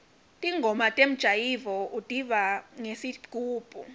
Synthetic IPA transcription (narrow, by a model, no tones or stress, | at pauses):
tʼiŋɡʱɔmatʼem̩d̥ʒ̥ʱajivɔutʼiɓaŋesi̥uːb̥ʱʼu